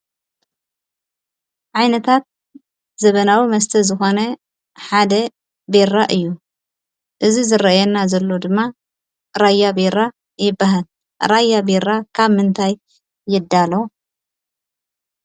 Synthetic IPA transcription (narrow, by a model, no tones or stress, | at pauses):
ʕajnɐt̪ʰat̪̚ | zɐβɐnawimɐst̪ʰɐzɨxo̞nɐ | ħad̪ɐ | beɾaʔɨjːu | ʔɨzizɨɾɐjɛnːazɐlːo̞d̪ɨmːa | ɾajabeɾa | jɪbːaɦal | ɾajːabeɾakʰaβmɨnt̪ʰajː | ɪd̪ːalo